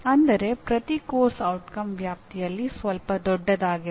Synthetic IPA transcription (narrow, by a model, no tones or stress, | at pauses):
ɐnd̪ɐɾe̞pɾɐt̪ikoːɾsɐwʈkɐmʋjaːp̚t̪ijɐlːisʋɐlpɐd̪ɔɖːɐd̪aːɡi